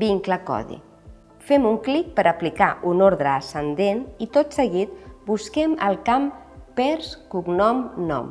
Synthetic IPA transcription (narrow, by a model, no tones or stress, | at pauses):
biŋkləkɔ̰ðḭ | fɛmuŋklik̚pəɾʔəplikaʔunoɾðɾəːsənd̪enit̪ot̪səɣit̪̚buskɛmə̰lˠkampɛɾskuɡnɔmnɔ̰m